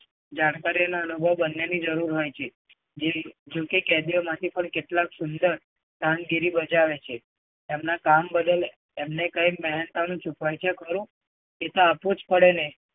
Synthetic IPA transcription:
d͡ʒaɽkaɾiənaənubʱəʋbənːenid͡ʒəɾuɾɦojt͡ʃʰe | d͡ʒed͡ʒõkekɛd̪ijomãt̪ʰipəɳkeʈlaksund̪əɾ | t̪ãnɡiɾibəd͡ʒaʋet͡ʃʰe | emnakambəd̪əl | emnekəjmɛɦnt̪anũt͡ʃʰukajt͡ʃʰekəɾũ | et̪oapud͡ʒpəɽene

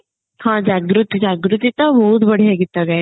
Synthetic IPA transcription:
hãd͡ʑaɡɾut̪id͡ʑaɡɾut̪it̪əmoud̪bəɽ̤ijaɡit̪əɡa

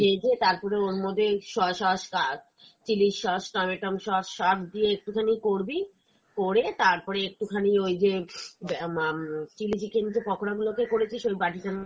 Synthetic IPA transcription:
ed͡ʑet̪aɾpɔɾeonmɔd̪ʱeʃɔʃɔʃka | t͡ɕiliʃʃɔsʈɔmeʈomʃɔʃʃatd̪ieek̚ʈukʰanikoɾbi | koɾet̪aɾpɔɾeek̚ʈukʰaniojd͡ʑeb | t͡ɕiliʃikend̪epɔkʰoɾaɡulokekoɾet͡ɕʰiʃojbaʈikan

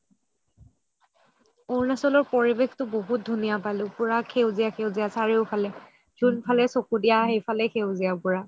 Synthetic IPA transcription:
oɹnasɔlɔɹpɔɹibextʊboɦut̚dʱunijapalʊ̃pʊɹakʰewzijaxewzijasaɹeʊpʰalɛ | zunpʰalɛsokudijaɦejpalɛxewzijapʊɹa

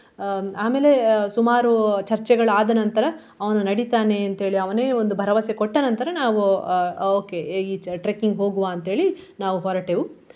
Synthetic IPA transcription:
aːme̞ːle̞sumaːɾut͡ʃɐɾt͡ʃɛɡɐɭɐaːd̪ɐnɐnt̪ɐɾɐ | ɐʋɐnunɐɽit̪aːne̞ɐnt̪ɦe̞ːɭiɐʋɐneːond̪ubʱɐɾɐʋɐsekoʈːɐnɐnt̪ɐɾɐnaːʋuoːke̞iʈɾeːkiŋɡɦo̞ːɡuʋaːɐnt̪ɦe̞ːɭi | naːʋuɦɔɾɐʈeːʋu

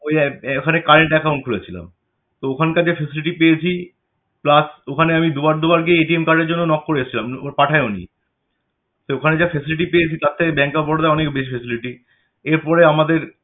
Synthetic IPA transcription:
ojɛokʰanekaɾeɳʈɛkaw̃ɳʈ̚kʰulet͡ɕʰila̰m | t̪ookʰankad͡ʑafesiliʈipejet͡ɕʰi | plasokʰaneamid̪ubaɾd̪ubaɾk̬eeʈiemkaɖeɾd͡ʑonːonɔkːoɾeet͡ɕʰilamopaʈʰaeonḭ | seokʰaned͡ʑafesiliʈipejet͡ɕʰit̪at̪ʰːekebɛŋkabɔɽd̪aɔnekbeʃifʰesiliʈi | eɾpɔɾeamad̪eɾ

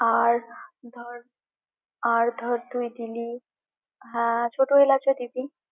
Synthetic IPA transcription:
aɾd̪ʱɔɾ | aɾd̪ʱɔɾd̪ujd̪ili | ɦɛ̃t͡ʃʰoʈoɦelat͡ʃʰɔd̪ibi

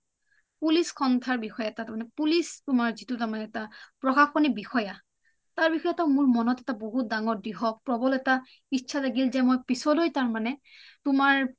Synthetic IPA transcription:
puliskʰɔntʰaɹbixɔjatatmanɛpulistʊmaɹzitʊtaɹmanɛːtapɹɔxaxɔnibixɔja | taɹbixɔjatamʊɹmɔnɔtɛtaboɦut̚daŋɔɹdiɦɔpɹɔbɔlɛta | iʃʰalaɡilzɛmojpisɔlojtaɹmanɛtʊmaɹ

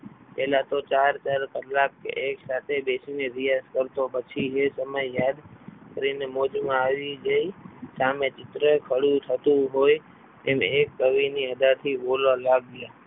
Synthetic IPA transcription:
pɛɦlat̪ot͡ʃaɾt͡ʃaɾkəlːakːḛʔeksat̪ʰebesineɾijaskəɾt̪opət͡ʃʰiɦesəməjːjad̪kəɾinemod͡ʒmãaʋid͡ʒəisamet͡ʃɪt̪ɾəkʰəɽũt̪ʰət̪ũɦoj | emekːəʋiniəd̪aɾt̪ʰibolalaɡja

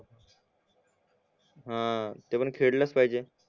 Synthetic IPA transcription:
ɦãt̪epəɳkʰeɽləspaɦid͡ʑe

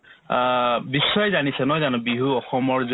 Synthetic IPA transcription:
bisːɔjzanisɛnɔjzanʊ̃biɦuɔxɔmɔɹz

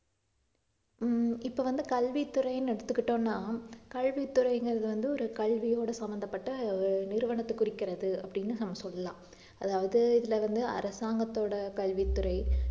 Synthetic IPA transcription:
ɪpːoːʋɐnd̪ɯkɐlʋit̪ːʊrɐjnɛɽɐt̪ːɯkːɪʈːõːnːaːkɐɻʋit̪ːʊrɐɪŋɡɐɾɐðɯʋɐnd̪ɯɔɾɯkɐɭʋijoːɽɐsɐmbɐnd̪ɐpːɐʈːɐnɪɾɯʋɐɳɐt̪ːɯkːʊrɪkːɪɾɐðɯɐpːɐɽɪnːɯnɐmːɐsɔlːɐlãː | ɐðaːʋɐðɯɪðɪlɐʋɐnd̪ɯɐ̰ɾɐsaːŋɡɐt̪ːoːɽɐkɐɭʋit̪ːʊɾɐɪ

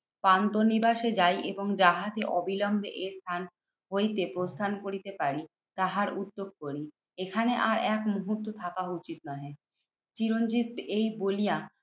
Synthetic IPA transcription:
pant̪onibaʃed͡ʑajʔeboŋd͡ʑaɦat̪eʔɔbilɔmbʱeʔest̪ʰan | ɦojt̪epɾost̪ʰankoɾit̪epaɾi | t̪aɦaɾud̪ːoɡ̚koɾi | ekʰaneʔaɾɛkmuɦut̪ːot̪ʰakaut͡ɕit̪nɔɦ | t͡ɕiɾond͡ʑit̪̚ejbolija

